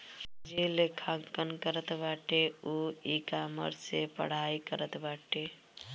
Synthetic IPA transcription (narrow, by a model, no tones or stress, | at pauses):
d͡ʒelekʰãŋkənkəɾət̪baʈeuikamə̰ɾsepə̰ɽ̤ajkəɾət̪baʈe